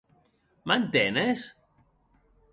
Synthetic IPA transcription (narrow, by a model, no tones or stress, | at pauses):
mandɛnɛs